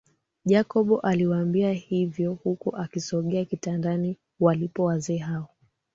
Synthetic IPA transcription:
ʄakɔɓɔʔaliwaambiahivjɔhukuʔakisɔɠɛakitandani | walipɔwazɛːɦaɔ

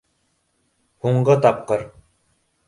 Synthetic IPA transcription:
huɴɢɤt̪ɑp̚qɤɾ

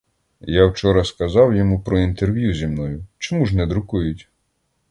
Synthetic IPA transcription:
jawt͡ʃɔɾɐskɐzɑwjɔmupɾɔint̪erʋjuzʲimnɔjʊt͡ʃɔmuʒnɛd̪ɾʊkujʊtʲ

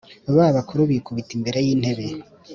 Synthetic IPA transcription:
aβaβakʰuɾuβikʰuβitimbe̞ɾejiːn̥he̞βe

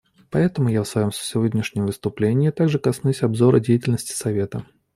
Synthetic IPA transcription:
pɐɛt̪əmʊjafsvɐjo̞msə̥sʲɪvodʲnʲɪʂnʲɪmvɨst̪ʊplʲenʲɪːt̪aɡʐɨkɐsnusʲɐbzoɾədʲejɪtʲɪlʲnəsʲtʲɪ̥sɐvʲe̞t̪ə

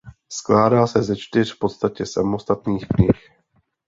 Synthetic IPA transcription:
sklaːdaːsɛzɛt͡ʃt̪ɪr̝̥fpo̞t̪st̪acɛsamo̞st̪at̪niːxkɲɪx

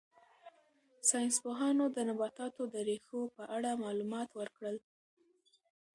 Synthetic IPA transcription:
sɑjnspoɦɑnod̪ənabɑt̪ɑt̪od̪əɾexopəʔaɽamɑlumɑt̪wəɾkɽəl

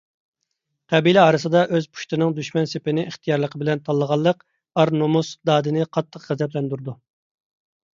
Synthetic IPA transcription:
qʰɛbilɛɑːɾɨsɨd̪ɑʔøzpʰu̥ʃt̪ɪnɪŋd̪yʃmɛnsepɪnɪʔiχt̪ʰijɑɾlˠəqʰəbɪlɛnt̪ʰɑlˠːəʁɑlˠːəq | ɑɾnomusd̪ɑːd̪ɨnɪqʰɑt̪ʰːəqʁæzɛplɛnd̪uɾd̪u

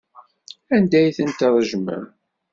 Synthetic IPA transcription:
ænd̪æjθənt̪ðˤəʒmə̰m

